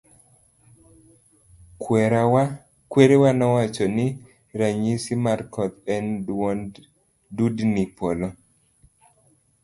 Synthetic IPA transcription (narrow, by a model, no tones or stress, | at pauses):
kwɛɾawa | kweɾewanɔwat͡ʃɔnɪ | ɾaɲisimarkɔt̪ɛnwɔn | dudnipɔlɔ